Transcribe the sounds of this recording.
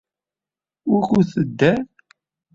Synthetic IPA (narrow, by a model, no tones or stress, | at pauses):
ʊɾçuθəd̪ːæɾ